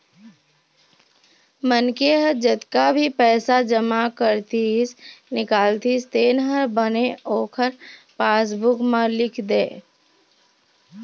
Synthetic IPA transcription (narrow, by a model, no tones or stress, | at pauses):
mənkeɦəɾd͡ʒət̪kabʱipɛːsad͡ʒəmakəɾt̪iɪsnɪkaːlt̪ist̪eːnɦəɾbəneoːkʰəɾpaːs̬bʊkməlɪkʰd̪eː